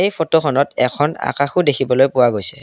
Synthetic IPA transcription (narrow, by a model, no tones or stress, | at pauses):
ejpʰɔtoxʰɔnɔtɛkʰɔna̰kaxʊdekʰibɔlojpʊwaɡojsɛ